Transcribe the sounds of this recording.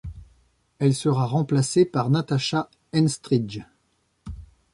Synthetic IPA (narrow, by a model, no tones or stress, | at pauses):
ɛlsəʁaʁɑ̃plasepaʁnat̪aʃa | ɛnst̪χid͡ʒ